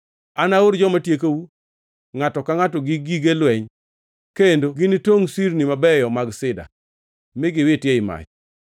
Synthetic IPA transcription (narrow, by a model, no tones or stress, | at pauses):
anaoɾd͡ʒɔmatjek̬ewu | ŋatɔkaŋatɔɡɪɡiɡelwɛɲ | kendoɡɪnitoŋsiɾnimabɛjɔmaɡsɪda̰ | mɪɡɪwɪtjeɪma̰t͡ʃ